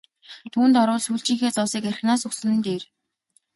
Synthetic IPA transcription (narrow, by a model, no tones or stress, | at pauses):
t̪ʰuːnt̪ɔɾʊːɮsuːɬt͡ɕĭːŋxeːt͡sɔwsiːkæɾɪ̆xnaːsɵksɵ̆nɘ̆nt̪eːr